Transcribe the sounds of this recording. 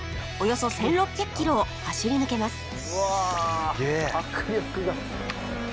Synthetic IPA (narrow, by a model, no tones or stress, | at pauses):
o̞jo̞so̞sẽ̞nɾo̞pʲːjakɯ̥kʲːiɾo̞ːhaɕiɾʲinɯ̟ke̞masɨ̥ | aɡehakɯɾʲokɯ̟ɡa